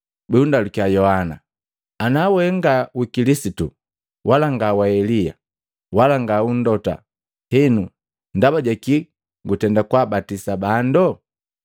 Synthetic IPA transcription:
bɛundalukiajɔhana̰ | anawɛŋɡawikilisitu | wʔalaŋɡawaɛlija̰ | walaŋɡaun̩dɔta̰ | hɛnu | ndabaɟaki | ŋɡutɛndakwabatisabandɔ

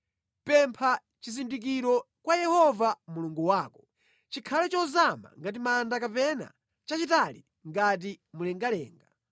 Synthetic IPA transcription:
pɛmpʰa | t͡ʃizindik̬iɾɔ | kwajɛhɔvamuluŋɡuwaːkɔ | t͡ʃikʰalɛt͡ʃɔzama̰ŋɡat̬imandakapɛna̰ | t͡ʃat͡ʃitali | ŋɡat̬imulɛŋɡalɛ̰ːŋɡa

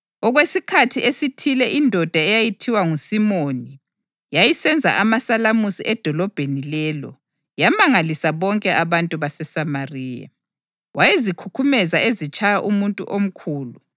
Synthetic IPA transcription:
ɔɣwesikʰatʰiʔesitʰilɛʔindʱɔd̥ʱaɛjajitʰiwaŋusimoni | jajisɛnd͡zʱa̰ʔamasalamusiʔɛd̥ʱɔlɔb̥ʱenilɛlɔ | jamaŋalisaβɔŋkʼɛʔaβantʼuβasɛsamariːja̰ | wajezikʰukʰumɛzaʔezit͡ʃʼajaʔumuntʼṵʔom̩kʰuːlu

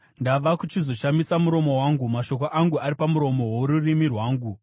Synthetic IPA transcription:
ndaʋakut͡ʃizo̞ʃamisamuɾo̞mo̞waːŋɡumaʃo̞koʔaŋɡuaɾipamuɾo̞mo̞wouɾurimirwaːŋɡu

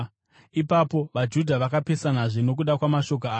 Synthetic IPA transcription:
ipapo̞ʋad͡ʒudʱaʋakape̞sanaʐino̞k̬uɗakwamaʃo̞k̬oaː

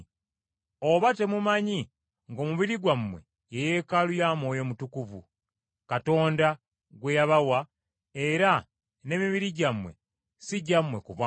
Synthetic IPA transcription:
oβate̞mumaɲi | ŋɡo̞ːmuβiɾiɡwamwe̞̰ | jejekalujaːmo̞ːjo̞mutukuvṵ | kato̞ːnda | ɡwe̞jaβawa | e̞ɾa | ne̞miβiɾiɟamwe̞̰ | siɟamːwe̞kuβa

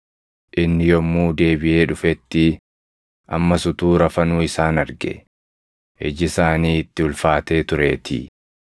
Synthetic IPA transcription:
ʔɪnːɪjɔmːuːd̪e̞ːbɪʔe̞ːᶑʊfɛt̪ːɪ | ʔɐ̰mːɐsʊt̪uːɾɐfɐnuːɪsaːnɐɾɡɛ̰ | hɛ̰d͡ʒɪsaːniːɪt̪ːɪʊlfaːt̪e̞ːt̪ʊɾe̞̰ːt̪ʰɪ̰

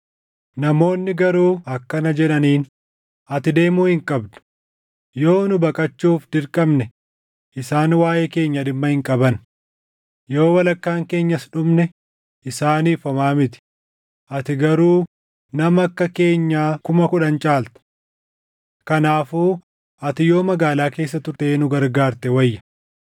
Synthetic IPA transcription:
nɐmo̞ːnːɪɡɐɾuːɐkːɐnɐd͡ʒɛᶑɐniːn | ɐt̪ɪd̪e̞ːmuːhɪŋkʼɐbd̪ʊ̥ | jo̞ːnʊbɐkʼɐt͡ʃːuːfd̪ɪɾkʼɐmnɛ | ʔɪsaːnwaːjeːke̞ːɲːɐᶑɪmːɐhɪŋkʼɐbɐn | jo̞ːwɐlɐkːaːŋke̞ːɲːɐsᶑʊmnɛ | ʔɪsaːniːfɐmaːmɪt̪ɪ̥ | ʔɐt̪ɪɡɐɾuː | nɐmɐkːɐke̞ːɲːaːkʊmɐkʊᶑɐnt͡ʃʼaːlt̪ɐ̥ | kɐnaːfuː | ʔɐt̪ɪjo̞ːmɐɡaːlaːke̞ːs̬ːɐt̪ʊɾt̪eːnʊɡɐɾɡaːɾt̪ɛwɐjːɐ̥

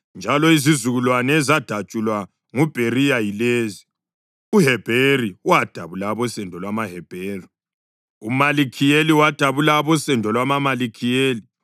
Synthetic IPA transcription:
nd͡ʒʱalɔizizuɣulwanɛːzad̥ʱat͡ʃʼulwa | ŋub̥ʱerijajileːzi | uɦɛb̥ʱeriwad̥ʱaβulaβɔsɛndʱɔlwamaɦɛb̥ʱeːri | umalikʰijeliwad̥ʱaβulaβɔsɛndʱɔlwamamalikʰijeːli

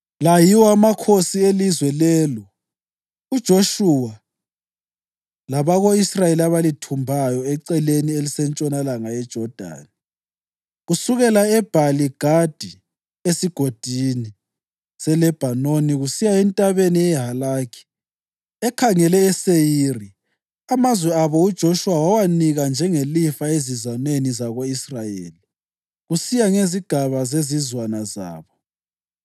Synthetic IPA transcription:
lajiwɔamakʰosielizwɛlɛːlɔ | ud̥ʒ̥ʱoʃuwa | laβaɣoisrajeliaβalitʰumbʱajɔɛǀɛlenielisɛnt͡ʃʼɔnalaŋaɛd̥ʒ̥ʱɔd̥ʱa̰ːni | ɣusuɣɛlaɛb̥ʱaliɡ̥ʱad̥ʱi | esiɡ̥ʱod̥ʱini | sɛlɛb̥ʱanoniɣusijaɛntʼaβeniɛɦalaːkʰi̥ | ɛkʰaŋɛlɛːsejiri | amazwɛaβɔud̥ʒ̥ʱoʃuwawawaniɣand͡ʒʱɛŋelifaezizanwenizaɣoisrajḛːli | ɣusijaŋeziɡ̥ʱaβazezizwanaza̰ːβɔ

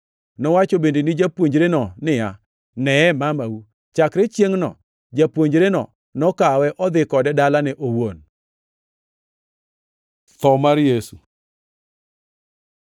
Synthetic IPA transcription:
nɔwat͡ʃobendenɪd͡ʒapwoɲd͡ʒɾenɔnɪja | nɛɛmamawu | t͡ʃakɾet͡ʃjeŋnɔ̰ | d͡ʒapwoɲd͡ʒɾenɔ̰ | nɔkawɛʔɔd̪ɪkɔdɛdalanɛʔowon | t̪ɔmaɾjesu

